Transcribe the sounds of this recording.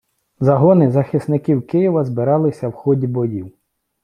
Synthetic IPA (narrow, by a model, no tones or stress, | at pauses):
zɐɦɔnɪzɐxɪsnɪkiwkɪjiʋɐzbɪɾɑlˠɪsʲɐwxɔdʲibɔjiw